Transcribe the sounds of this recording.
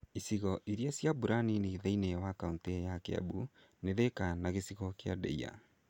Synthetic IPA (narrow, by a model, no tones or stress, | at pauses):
isiɣɔʔiɾjasjabuɾanineːðainɛwakauntejakɛa̰bu | neðekanaɣesiɣɔkea̰dɛ̰ia̰